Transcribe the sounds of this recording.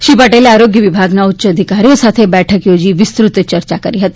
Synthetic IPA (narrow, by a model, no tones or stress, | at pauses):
ʃipɐʈeːleaːɾoːɡjəʋɪbʱaːɡnaʊtːɕəɐd̪ʱikaːɾijõsaːt̪ʰebɛːʈʰəkjoːd͡ʒiʋɪst̪ɾʊt̪t͡ʃɐɾt͡ʃakɐɾiɦɐt̪i̥